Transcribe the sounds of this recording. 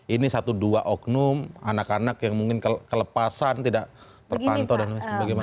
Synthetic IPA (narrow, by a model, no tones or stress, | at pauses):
inisat̪uduaʔɔknʊmanakanakjaŋmuŋkɪnkəkələpasant̪idaʔ | t̪ərpant̪ɔdanbaɡima